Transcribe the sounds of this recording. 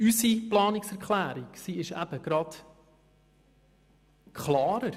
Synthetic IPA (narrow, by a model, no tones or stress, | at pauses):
ysiplɑːnɪksɛɾkχlæːɾiksiɪʃæ̰b̥əɡ̥ɾɑd | kʰχlɑːɾəɾ